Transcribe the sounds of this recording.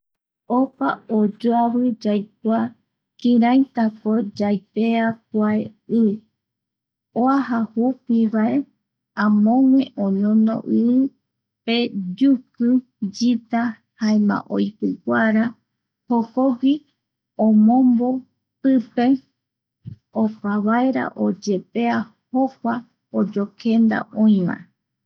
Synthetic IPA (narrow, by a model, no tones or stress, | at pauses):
opaod͡ʒoaβɨd͡ʒajka | kĩɾãjt̪akod͡ʒajpeakʷaeɨ | oaɦahupiʋae | ãmõŋʷẽ̞ʔõɲõno̰ʔɨɨ | pe̞d͡ʒukɨ | d͡ʒit̪a | haemã̰ʔojpɨkʷaɾa | hokoki | õmõmbo | pɨpe̞ | opaβaeɾa̰ʔod͡ʒe̞pe̞a | hokʷa | od͡ʒokʰe̞nd̪a̰ʔõĩmã̰